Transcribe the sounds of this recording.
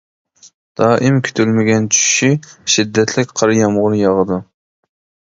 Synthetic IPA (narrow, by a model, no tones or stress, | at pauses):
d̪̥ɑːʔɪmkʲʰy̥t̪ʰylmɪɡʲɛnt͡ʃʰy̥ʃʃiʃid̪ːɛt̪ʰlɪkʲqʰɑɾɨjɑmʁʊɾjɑʁəd̪u